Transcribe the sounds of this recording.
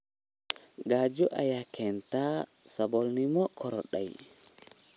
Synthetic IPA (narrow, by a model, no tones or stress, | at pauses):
ɡad͡ʒɔʔajakʰɛntasabɔlnimɔkʰɔɾɔɗa̰j